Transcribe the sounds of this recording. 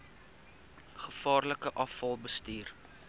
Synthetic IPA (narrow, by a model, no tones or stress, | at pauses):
χəfɑːrləkəʔɐfɐlˠbəstiːr